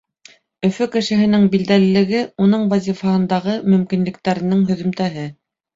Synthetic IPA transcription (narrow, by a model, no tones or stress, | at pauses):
ɵ̆fɵkɘ̆ʃɘ̆ɦɘ̆nɘŋbild̪ælɘ̆lɘ̆ɡɘunɤɴvazʲifɑhɤ̆nd̪ɑʁɤmɵ̆mkinlɘ̆k̚t̪æɾɘ̆nɘŋɦɵ̆ðɵ̆mt̪æɦɘ